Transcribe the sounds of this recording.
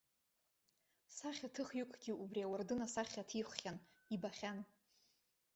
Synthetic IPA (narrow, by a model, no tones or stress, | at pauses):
saχʲatʰɨχjʊkʷʰʼɡʲɪʔubriawardɨnasaχʲatʰiχʷχʲan | ibaχʲan